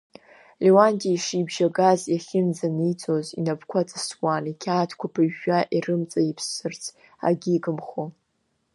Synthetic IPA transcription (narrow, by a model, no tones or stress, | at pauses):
lewandʼiaiʂibʒaɡazjaχʲɪnd͡zanijt͡sʰʼozḭnapkʷʰat͡sʼɨswanikʲʰaːtʰkʷapʰɨɥaʔirɨmt͡sʼajipʰsːɨrt͡sʰ | a̰ɡʲiːɡʼɨmχo